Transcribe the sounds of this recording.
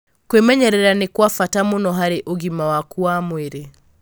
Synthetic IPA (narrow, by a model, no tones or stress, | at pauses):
kwemɛɲɛɾɛɾanekwafatamonɔɦaɾeʔoɣimawakuamweɾe